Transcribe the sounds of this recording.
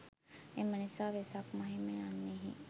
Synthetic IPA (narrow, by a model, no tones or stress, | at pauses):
emːənisaːʋesakmɐɦimeanːeɦḭ